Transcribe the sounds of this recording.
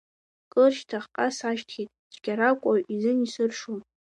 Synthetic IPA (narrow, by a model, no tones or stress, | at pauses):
kʼɨrʃtʰaχqʼasaʃtʰχʲitʼt͡ʃʰʼɡʲaɾakʷʼaʔizɨnisɨrʂun